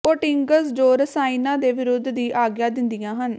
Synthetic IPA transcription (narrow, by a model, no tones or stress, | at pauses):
oːʈɪŋɡəsd͡ʒoːɾəsaːinãːd̪eːʋɪɾʊd̪ːd̪iːʔaːɡjãːd̪ɪnd̪ɪjãːɦən